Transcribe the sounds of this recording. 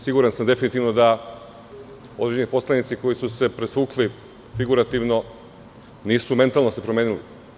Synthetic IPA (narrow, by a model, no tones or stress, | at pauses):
siɡuɾansamd̪e̞finit̪iʋno̞d̪a | o̞d̪ɾed͡ʑenipo̞slanit̪siko̞jisuse̞pɾesʋuːkli | fiɡuɾat̪iʋno̞ | niːsume̞nt̪alˠno̞se̞pɾomeːnili